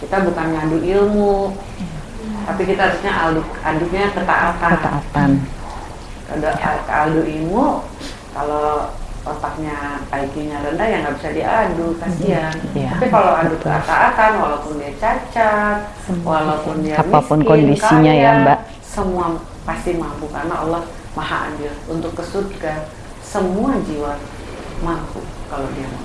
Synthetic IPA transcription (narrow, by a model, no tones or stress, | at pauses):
kit̪abukanɲaːduʔilmu | t̪apikit̪aaɾusɲaʔaldua̰duɲakət̪a̰ʔat̪ana̰at̪an | kaduakəaduʔimu | kaloot̪ak̚ɲaːikiɲaɾəndahjaŋɡabisadiadukasiantt̪apikalawadukʔa̰t̪aat̪anwalaupʊndiat͡ʃat͡ʃat̚ | wʔalaupʊndiaamapʊnkondiskaiɲajabaʔ | səmua | past̪imampukarnaʔa̰lːah | maɦa̰ʔa̰nd͡ʒɪlunt̪ʊkːəsut̪̚ɡan | səmuad͡ʒiwa | mampṵkalodiama